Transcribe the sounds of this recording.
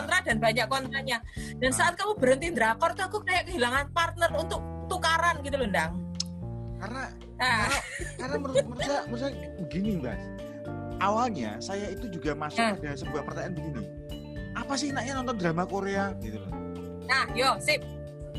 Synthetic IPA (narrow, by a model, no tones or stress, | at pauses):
ɔnt̪ɾadanbaɲakːɔnt̪ɾaɲad̥ansaat̪̚kamub̥əɾənt̪ind̪ɾakɔrt̪uakutajakəɦilaŋanpart̪̚nərunt̪ʊk̚t̪ukaɾanɡit̪ulundaŋ | karna | aakarnaməməɾamərsa | bəɡinɪba̰s | ʔawalɲa̰sajait̪ud͡ʒuɡamasʊpadasəbuahpərt̪aɲanbəɡinɪ | ʔapas̬ɪhnaʔɲanɔnt̪ɔnd̪ɾamakoɾeaɡit̪ul̰ | nahjosɪp̚